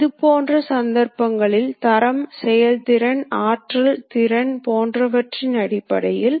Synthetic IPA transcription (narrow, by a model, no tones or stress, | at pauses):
ɪðɯpoːndrɐsɐnd̪ɐɾpɐŋɡɐɭɪlt̪ɐɾɐmsɛjɐlt̪ɪɾɐnaːʈrɐlt̪ɪɾɐɳpoːndrɐʋɐʈrinɐɽɪpːɐɽɐjɪl